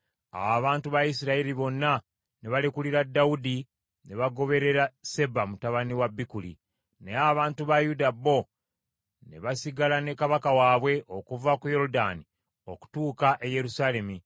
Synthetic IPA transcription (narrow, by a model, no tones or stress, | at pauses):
a̰waβaːntuβajisiɾaiɾiβo̞nːa | ne̞βalekuliɾadːaudi | ne̞βaɡo̞βe̞ɾe̞ɾase̞bamutaβaniwabːikulḭ | ne̞aβaːntuβajudabːo̞ | ne̞̰βasiɡalane̞kaβakawaːβwe̞ʔokuvakujo̞ɾudani | o̞ku̥tuːkaʔeje̞ɾusaːle̞mi